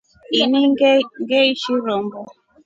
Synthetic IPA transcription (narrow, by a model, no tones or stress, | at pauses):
iniŋɡeiʃiɾɔm̩bɔ